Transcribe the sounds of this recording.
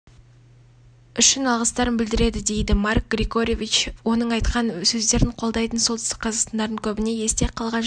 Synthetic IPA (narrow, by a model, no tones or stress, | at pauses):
ʏʃɪnɑlˠʁəst̪ɑɾənbɪld̪ɪɾe̞d̪ɪd̪e̞jd̪ɪmɑrk̚ɡrʲiɡo̞ɾʲovʲit͡ʃwo̞nəɴɑjt̪qɑnsɵzd̪e̞ɾɪɴqʰo̞lˠd̪ɑjt̪ənsot̪ʏst̪ɪkqʰɑzɑqst̪ɑnd̪ɑɾd̪əŋkʲʰɵbɪne̞je̞st̪e̞qʰɑlˠʁɑn